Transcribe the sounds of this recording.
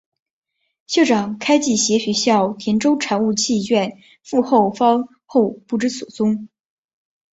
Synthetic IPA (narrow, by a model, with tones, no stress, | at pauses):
ɕjo˥˩ʈ͡ʂɑ˨˩ŋkʰa˥ɪt͡ɕi˥˩ɕjɛ˧˥ɕɥɛ˧˥ɕjɑ˥˩ʊt̪ʰjɛ˧˥nʈ͡ʂo˥ʊʈ͡ʂʰa˨˥nu˥˧t͡ɕʰi˥˧˩t͡ɕɥɛ˥˧n | fu˥˧xo˥˩ʊfɑ˥ŋ | xo˥˧ʊpu˥˩ʈ͡ʂɻ̩˥su˨˩t͡sʊ˥ŋ